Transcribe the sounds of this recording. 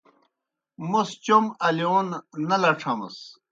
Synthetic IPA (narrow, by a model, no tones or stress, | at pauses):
must͡ɕomɐlionnɐlɐʈ͡ʂʰɐmɐ̰s